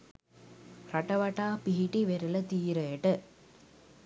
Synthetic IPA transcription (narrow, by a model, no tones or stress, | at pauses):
ɾɐʈɐʋɐʈːaːpɪɦiʈiʋeɾɯlɐt̪iːɾɐːʈɯ